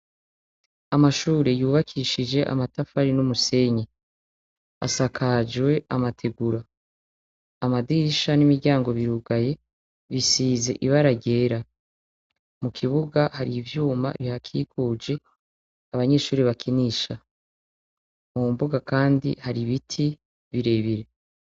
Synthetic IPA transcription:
amaʃuːɾejuːβakʰiʃid͡ʒe̞ʔa̰matafaɾinumuse̞ɲe | a̰sakʰad͡ʒwe̞amatʰe̞ɡuɾa | madiʃanimiɾɟaːŋɡo̞βiɾuɡaje̞ | βisiːze̞̰ʔiβaɾaɟe̞ːɾa | mukʰiβuɡahaɾivjuːma̰iβihakʰiːkuːd͡ʒe̞ | aβaɲe̞ːʃuːɾiβakʰiniːʃa | mumbuɡakaːndḭhaɾiβitʰi | βiɾe̞βiɾe̞

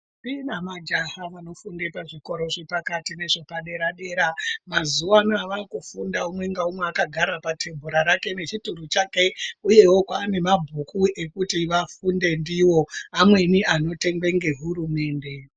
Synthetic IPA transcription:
tinamad͡ʒahaʋano̞funde̞paʐiko̞ɾo̞ʐepakatine̞ʐe̞paɗe̞ɾaɗe̞ːɾamazuwanoaʋakufundaumwe̞ŋɡaumweakaɡʱaɾapatʰe̞mbʱuɾaɾake̞ne̞t͡ʃiturut͡ʃake̞uje̞wo̞kwaːne̞mabʱukʰuʔe̞kutiʋafunde̞ndiwo̞amwe̞niano̞te̞ŋɡe̞ŋɡe̞ɦuɾume̞ːnde̞

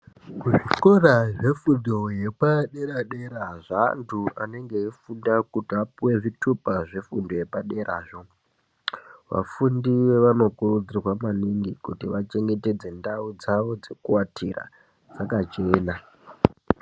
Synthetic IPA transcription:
kuʐiko̞raʐe̞fundoje̞paɗe̞ɾaɗe̞ɾaʐantʰuane̞ŋɡeːfundakutiapuwe̞ʐitʰupaʐe̞fundo̞je̞paɗe̞ɾʔaːʐo̞ | ʋa̰fundieʋano̞kurud͡zirwamaniŋɡikutiʋat͡ʃe̞ŋɡe̞te̞d͡ze̞ndaud͡zaʋod͡ze̞kuwatʰira̰ | d͡zakat͡ʃe̞ːna

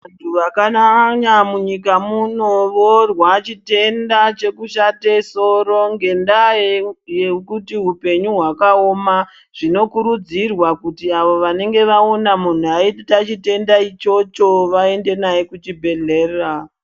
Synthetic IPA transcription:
antʰuʋakanaɲamuɲikamuno̞ʋorwat͡ʃite̞ndat͡ʃe̞kuʃateso̞ɾo̞ŋɡe̞ndajjekutiɦupe̞ɲuɦwakaoma | ʐ̥ino̞kuɾud͡zirwakutiaʋo̞ʋane̞ŋɡe̞ʋaonamun̤uaitat͡ʃite̞ndait͡ʃo̞t͡ʃo̞ʋae̞nde̞najekut͡ʃibʱe̞ɮe̞ːra

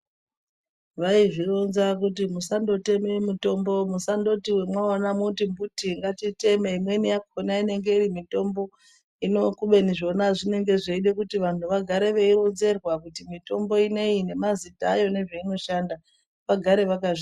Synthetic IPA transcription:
ʋaivironzakut̬imusando̞te̞memuto̞mbo̞musando̞tiwe̞mwaonamutimbutiŋɡatite̞meimwe̞nijakonaine̞ŋɡe̞iɾimito̞mbo̞ | ino̞kuɓe̞niʐo̞naʐine̞ŋɡe̞ʐeiɗe̞kutiʋantʰuʋaɡʱaɾe̞ʋe̞iɾonze̞rwakutimito̞mbo̞ine̞ine̞mazitaːjo̞ne̞ʐeino̞ʃanda | ʋaɡʱaɾe̞ʋakaʐi

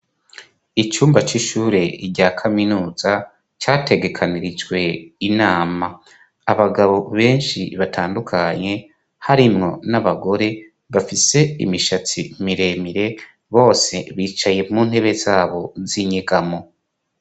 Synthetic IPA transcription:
it͡ʃuːmbat͡ʃiʃuːɾe̞iɟaːkʰaminuːz̥a | t͡ʃaːte̞ɡe̞kʰaniɾid͡ʒwe̞inaːma | aβaɡaβo̞βe̞ːnʃḭβatʰaːndukʰaɲe̞ | haɾimŋo̞naβaɡo̞ɾe̞ | βafise̞ḭmiʃat͡sḭmiɾe̞miɾe̞ | βo̞ːse̞βiːt͡ʃaje̞mŋuːn̥he̞βe̞zaːβo̞ziɲeɡamo

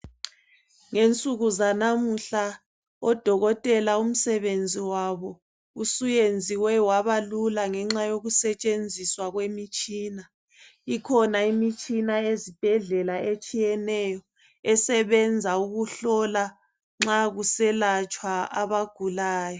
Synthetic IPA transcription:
ŋent͡sʼuɣuzanamuɬa | ɔd̥ʱɔɣɔtʼɛlaum̩sɛβend͡zʱiwaβɔ | usujend͡zʱiwɛwaβalulaŋɛŋ͡ǁajoɣusɛt͡ʃʼend͡zʱiswaɣwemit͡ʃʼiːna | ikʰɔnaimit͡ʃʼinaezib̥ʱɛɮɛlaet͡ʃʼijɛnɛjɔ | ɛsɛβɛnd͡zʱauɣuɬɔla | ŋ͡ǁaɣusɛlat͡ʃʼwaaβaɡ̥ʱulaːjɔ

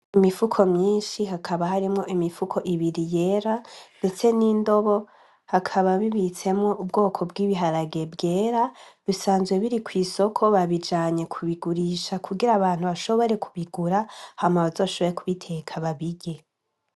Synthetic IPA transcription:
imifukʰo̞mɲiːnʃiɦakʰaβaɦaɾimŋo̞ʔimifukʰo̞ʔiβiɾije̞ːɾande̞t͡se̞niːndo̞βo̞ | hakʰaβaβiβit͡se̞mŋo̞ʔubɡo̞ːkʰo̞bɡiːβiɦaɾaɡe̞bɡe̞ːɾaβisaːnzɡwe̞βiɾikwiːso̞kʰo̞βaβid͡ʒaːɲe̞kʰuβiɡuɾiːʃakʰuɡiɾaβaːn̥huβaʃo̞βo̞ɾe̞kʰuβiɡ̥uɾahamaβazo̞ːʃo̞βo̞ɾekuβitʰe̞kʰaβaβiɟe̞

